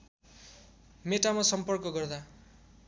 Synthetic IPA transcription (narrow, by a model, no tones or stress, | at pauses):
meʈamasʌmpʌrkʌɡʌrd̪a